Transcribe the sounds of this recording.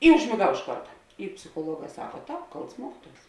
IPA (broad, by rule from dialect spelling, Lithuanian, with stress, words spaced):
ɪ ʊʒʲmʲeːˈɡɐʊ ɪʃ ˈkɐrtɐ ɪ pʲsʲɪxuɔˈlˠuɔˌɡɑː ˈsɑːkɐ ˈtɑːp ˈkɐlˠts ˈmuɔkʲɪˌtuɔs